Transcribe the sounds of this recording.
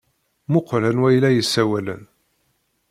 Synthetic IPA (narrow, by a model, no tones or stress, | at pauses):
mʊqɾænwæjlæjəsːæwælə̰n